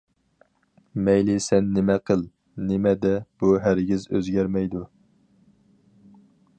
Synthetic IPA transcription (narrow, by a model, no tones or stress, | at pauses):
mɛjlɪsɛnːɪmɛqʰəlˠ | nɪmɛd̪ɛb̥uɦæɾɡʲɪzø̰zɡʲæɾmɛjd̪u